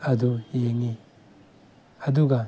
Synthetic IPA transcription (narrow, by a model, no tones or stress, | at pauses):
ɐdujeŋi | ɐd̪uɡa